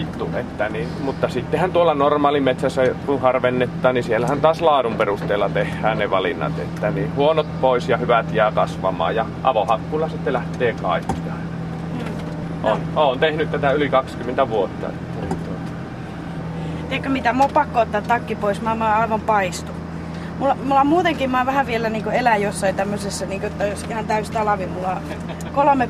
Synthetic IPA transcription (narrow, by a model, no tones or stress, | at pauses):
it̪ːuʔet̪ːæninmut̪ːɑsit̪ːehænt̪uolːɑnormɑːlimet̪sæsːækunhɑrʋenːet̪ːɑːnnisielːæhænt̪ɑːslɑːdumperust̪eːlːɑt̪ehːæːnneʋɑlḭnːɑ̰t̪ḛt̪ːæniːhuonot̪̚poˑisjɑhyʋæt̪jæːkɑsʋɑ̰mˑɑ̰ːjjɑʔɑ̰ʋohɑkːuːlːɑsit̪ːelæht̪eːkɑ̰ˑikːi̥jɑ | ɑ | ʔo̰noːnt̪ehnyt̪t̪æt̪æylikɑkskymːˑent̪æʋuot̪ːɑ̰ḛt̪ːænint̪uot̪ɑ̥ | t̪iekːømit̪æmoppɑkːoot̪ːɑːt̪ɑkːipoismɑːmɑːɑˑiʋɑmpɑist̪u | mulːɑmulːɑmuːt̪eŋkimɑːʋæhæʋielæniːŋkoelæjosːɑit̪æmːøsesːɑniːŋkoot̪ːɑjosihɑnt̪æyst̪ɑlɑʋimulːɑ | kolome